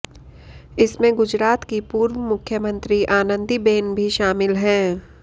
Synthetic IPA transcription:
ɪsmẽɡʊd͡ʒɾaːt̪kipuːɾwəmʊkʰjəmə̃nt̪ɾiʔaːnə̃nd̪ibeːnbʱiʃaːmɪlɦɛ̃ː

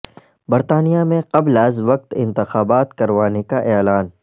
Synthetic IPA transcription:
bɐɾt̪aːnijamẽqɐblɐzʋɐq̚t̪ɪ̃nt̪ɪxaːbaːt̪kɐɾʋaːnekaʔɛːlaːn

